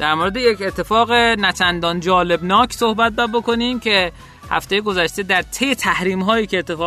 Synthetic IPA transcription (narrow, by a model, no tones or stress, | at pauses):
d̪̥æɾmoɾed̪ejecet̪ʰːe̞fɒːɣenæt͡ʃʰænd̪ɒːnd͡ʒɒːle̞bnɒːkʰso̞hbæt̪̚dbæbo̞ko̞niːmcʰe̞ | hæ̰ft̪e̞jeɡo̞zæʃt̪e̞d̪æɾt̪ʰejet̪ʰæhɾiːmɦɒːjiːkʰeːt̪ʰːefɒː